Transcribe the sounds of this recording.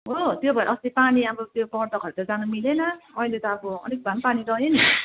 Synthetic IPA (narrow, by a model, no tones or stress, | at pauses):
ɦot̪jobʱʌjʔʌst̪ipaniʌbʌt̪jopʌrd̪ʌkʌɾut̪ʌd͡zanumilenʌʌilet̪ʌaboʌ̰nek̚bʱampaniɾʌɦeni